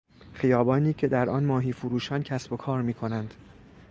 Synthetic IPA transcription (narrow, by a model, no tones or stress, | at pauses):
χijɒːbɒːniːcʰe̞d̪æɾʔɒːnmɒːɦiːfuɾuːʃɒːncʰæsbokʰɒːɾmiːkʰo̞nænd̪̥